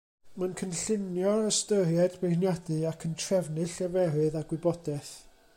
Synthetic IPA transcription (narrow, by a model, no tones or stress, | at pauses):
mankʰənɬɪnjɔəstərjɛdbejnjadɨakʰəntʰrɛvnɨɬɛvɛrɨðaɡwɪbɔdɛθ